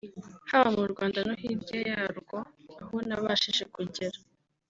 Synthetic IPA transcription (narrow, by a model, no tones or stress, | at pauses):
haβamuɾɡwaːndanoɦibɟajaɾɡo̞ahonaβaʃiʃekuɟeɾa